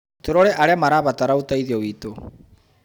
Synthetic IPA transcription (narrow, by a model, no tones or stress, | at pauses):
t̪ʰoɾɔɾeʔaɾeamaɾaβat̪aɾautaiðiɔwito